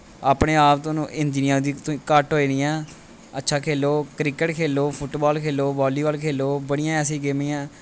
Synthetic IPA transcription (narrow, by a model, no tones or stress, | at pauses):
aːpɳeːaːpt̪oːnũːʔɪɲd͡ʒnijãːd̪iːt̪oĩːkəʈɦoːiːniːɛ̃ː | ətːʃʰaːkʰeːloːkɾɪkəʈkʰeːloːpʰʊʈbaːlkʰeːloːbɔːliːʋəːlkʰeːloːbəɽ̃ɪjãːɛːsĩːɡeːmiːãː